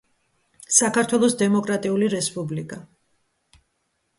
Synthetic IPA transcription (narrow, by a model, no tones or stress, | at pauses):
sakʰaɾt̪ʰwɛlˠɔsd̪ɛmɔkʼɾat̪ʼiuliɾɛspʼublikʼa